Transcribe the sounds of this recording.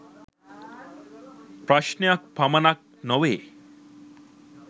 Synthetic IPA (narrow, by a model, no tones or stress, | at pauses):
pɾaʃnjak̚pamanak̚nɔʋe